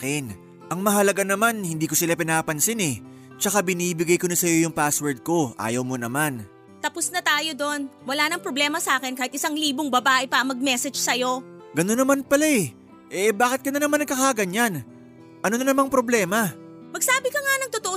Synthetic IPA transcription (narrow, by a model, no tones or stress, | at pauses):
kɪn | ʔɐŋmɐɦɐlɐɡanɐmanhɪnd̪iːkosɪlapɪnaːpɐnsɪnɛ | t͡ʃɐkabɪniːbɪɡajkonɐsɐjo̞jʊŋpaswɛɹd̪̚ko̞ʔa̰ːjɐwmo̞nɐman | t̪ɐposnɐt̪aːjo̞d̪o̞nwɐlaːnɐŋpɾoblɛːmɐsɐaːkɪnkaːhɪt̪ʔɪsaŋliːboŋbɐbaːʔɛpɐʔɐmɐɡ̚mɛsɛd͡ʒsɐjo̞ | ɡɐnonːɐmanpɐlaɛ | ʔɛbaːkɪt̪̚kɐnɐnɐmanɐɡkɐkaːɡɐɲan | ʔɐno̞nɐnɐmaŋpɾo̞blɛːmɐ | mɐɡ̚saːbɪkɐŋanɐŋt̪ot̪oʔo